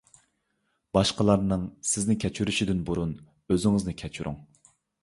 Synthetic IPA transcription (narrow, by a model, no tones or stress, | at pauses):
b̥ɑʃqəlˠɑɾnɨŋsɪznɪkʲʰɛt͡ʃʰyɾyʃid̪ɪnbuɾun | øzɪŋɪznɪkʲʰɛt͡ʃʰyɾṵŋ